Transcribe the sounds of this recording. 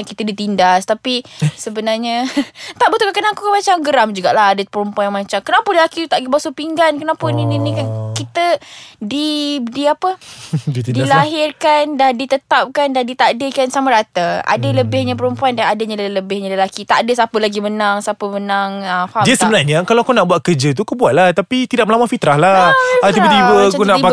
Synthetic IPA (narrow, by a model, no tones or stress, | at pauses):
kit̪ədit̪indast̪apisəbənarɲat̪aʔbət̪ukakənakukamat͡ʃamɡəɾamd͡ʒuɡaʔlaɦadəpəɾəmpuaɲjamat͡ʃamkənapʊnləlakit̪aʔɡibasopiŋɡankənapʊnininikankit̪ədidiapədit̪dilaɦɪrkandadit̪ət̪ap̚kandandit̪adəkansamaɾat̪aʔa̰dələbɪhɲap̬əɾəmpuandanadəɲalləbɪhɲãləlakit̪aʔdəsapəlaɡimənaŋsapəmənaŋəfaɦamdiasəbənarɲakalawakawnaʔbuat̪̚kəd͡ʒət̪̬uakobuat̪̚laht̪apit̪idaʔ̚məlamafit̪ɾahlaat̪ibət̪ibəkuna